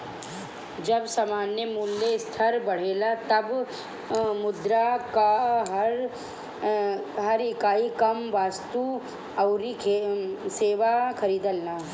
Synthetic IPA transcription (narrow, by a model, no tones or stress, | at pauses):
d͡ʒɐbsamaːnjəmuːlːest̪ʰɐɾbɐɽ̤eːlat̪ɐb | mʊd̪ɾakaɦɐɾ | ɦɐɾɪkaːikɐmʋaːst̪u | ɐʊɾikʰeseːʋakʰɐɾiːd̪əlnaː